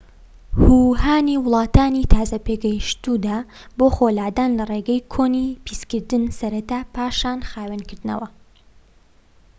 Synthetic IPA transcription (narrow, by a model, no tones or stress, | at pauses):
huːhaːniwʊlˠɑːt̪aːniːt̪ʰaːzɐpeɡɐjʃt̪ud̪aːboːxoːlaːd̪aːnlɐreɡɛjkʰoːnipʰiskɨɾd̪ɨnsɐɾɐt̪aːpaːʃaːnxaːwɐnkɨɾd̪ɨnɐ̰wɐ